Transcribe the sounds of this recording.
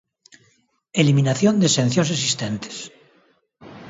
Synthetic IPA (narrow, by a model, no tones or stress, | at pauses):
eliminaθjond̪esẽn̟θjons̬esist̪ent̪e̥s